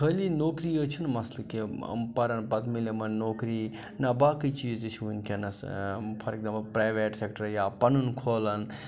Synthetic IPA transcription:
əːlinoːkɾiːət͡ʃʰunmɐslɐkiɐ̰mpɐɾɐnpɐt̪milemɐnnoːkɾiː | nɐbaːkit͡ʃiːzt͡ʃʰunkʲʰenɐspʰɐɾek̚zamplpɾaːʋeːʈseːkʈɐɾjaːpɐnunkʰoːlɐn

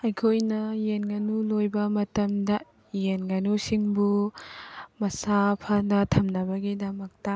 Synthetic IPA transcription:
ɐjkʰojnɐjenɡɐnulojbɐmɐtɐmdɐ | jenɡɐnusiŋbu | mɐsapʰɐnɐtʰɐmnɐbɐɡidɐmɐk̚tɐ

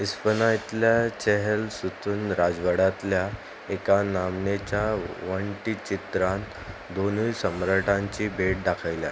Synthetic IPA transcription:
ispənajt̪ljat͡ɕɛɦelsut̪ʰuːnɾad͡zʋəɽat̪lja | ekanamnet͡ɕaʋəɳʈit͡ɕit̪ɾan | d̪onisəmɾəʈãɲt͡ɕiːbʱeʈ̚ɖakʰajlja̰

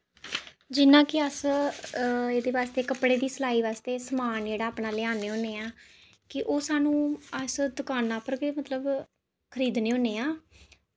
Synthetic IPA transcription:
d͡ʒɪnãːkɪəs | eːd̪eːʋaːst̪eːkəpɽeːd̪iːsəlaːiːʋaːst̪eːsəmaːnd͡ʒeːɽaːpnaːlɪaːneːɦõːneːaː | kɪʔoːsaːnũːəsd̪ʊkaːnaːpəɾɡemət̪ləb | kʰəɾiːd̪neːɦõːneːaː

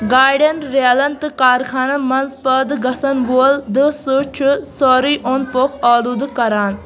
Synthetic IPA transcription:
ɡaːɖɐnɾeːlɐnt̪ɨkaːɾkʰaːnɐmɐnzpɐd̪ɨɡɐsɐnʋold̪ɨsut͡ʃʰusɔːɾiːʔoːnpokʰɔːlud̪ɨkɐɾaːn

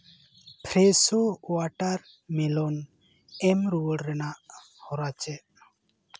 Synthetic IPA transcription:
pʰɾɛsowaʈaɾ | mɛlɔn | ɛmɾuwəɽɾɛnaʔ | hɔɾat͡ʃɛʔ

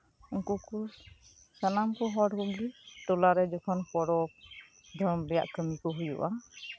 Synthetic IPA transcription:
ɔŋkuku | sanamkɔɦɔɽkɔɡiʈɔlaɾɛd͡ʒɔkʰɔnkɔɽɔp̚ | d̪ʱɔmbɛja̰ʔkəmikɔɦujṵʔa

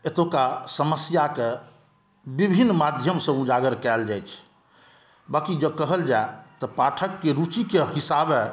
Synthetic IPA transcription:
et̪okasəməsjake | bibʱinːmad̪ʱjəmsə̃ũd͡ʒaɡəɾkɛld͡ʒajt͡ʃʰ | bakid͡ʒəkəɦəld͡ʒaet̪ɔpaʈʰəkːeɾut͡ʃikeɦisabe

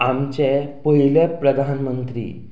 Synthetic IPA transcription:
amt͡ɕepəɦilepɾəd̪ʱanmənt̪ɾḭː

